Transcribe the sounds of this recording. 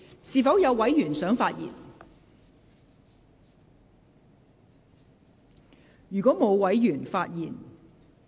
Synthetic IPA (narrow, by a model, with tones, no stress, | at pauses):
siː˨fɐ˨˥wjɐ˨˧wwɐ˨˥jjyː˨˩nsœː˨˥ŋfaː˧t̚jḭ˨˩n | jyː˨kɔː˨˥mo˨˧wwɐ˨˥jjyː˨˩nfaː˧t̚jiː˨˩n